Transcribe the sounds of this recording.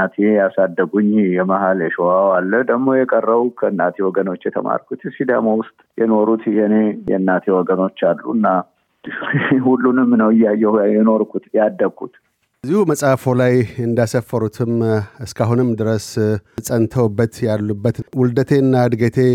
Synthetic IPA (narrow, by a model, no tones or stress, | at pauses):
at̪ʰejasad̪ːəɡuɲːjɛmahaljɛʃowawalːəd̪əɡmo̞jɛkʼərːəβukʰəɨnːat̪ʰewɔɡəno̞t͡ʃːjɛt̪ʰə̰ma̰ɾkʰut̪sid̪a̰mawʊst̪ʼjɛno̞ɾut̪jɛnejɛ̰ɨnːat̪ʰewɔɡəno̞t͡ʃːalːṵɨnːa | hulːunɨmːnəwɨjajːɛjɛno̞ɾkʰut̪jad̪ːəkʰːṵt̪ | zːihuməsʼafolajɨnd̪asəfːəɾut̪ʰɨmɨskʰaɦunɨmːd̪ɨɾəssʼənt̪ʰəwbːət̪jalːubːət̪wʊld̪ət̪ʰe̞nːad̪ɡət̪ʰe̞